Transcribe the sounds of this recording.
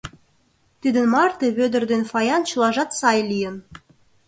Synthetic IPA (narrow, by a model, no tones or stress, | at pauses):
t̪id̪ə̆nmɑrt̪eβød̪ə̆rd̪enfɑjɑnt͡ɕə̆lɑʒɑt̪sɑjlʲijə̆n